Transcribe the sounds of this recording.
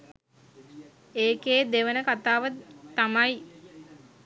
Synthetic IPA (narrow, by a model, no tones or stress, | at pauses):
eːkeːd̪eʋənəkat̪aːʋət̪amaj